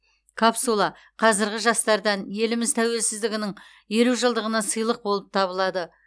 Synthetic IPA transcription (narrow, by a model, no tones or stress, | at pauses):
kʰapsulˠɑ | qʰɑzɪɾɡʲɪʒɑst̪ɑɾd̪ɑnje̞lɪmɪzt̪ʰæwe̞lsɪzd̪ɪɡʲɪnɪŋ | je̞ɾuwʒəlˠd̪əʁənɑsəjlˠəq̚bo̞lˠəp̚t̪ʰɑβəlˠɑd̪ə